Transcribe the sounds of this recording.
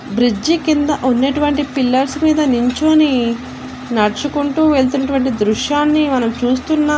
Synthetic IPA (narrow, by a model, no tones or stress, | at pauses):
bɾid͡ʒikind̪ɐʔunːeːʈuʋɐɳʈipilːɐɾsmiːd̪ɐniɲt͡ʃo̞ːni | nɐɾt͡ʃukuɳʈuːʋe̞ɭt̪̬unːɐʈ̬uʋɐɳʈid̪ɾuʂjaːnːimɐnɐmt͡ʃuːst̪unːaː